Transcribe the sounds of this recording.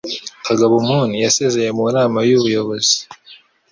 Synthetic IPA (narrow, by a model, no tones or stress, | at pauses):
kaɡaβumunijase̞ze̞je̞munaːmajuβujo̞βo̞zi̥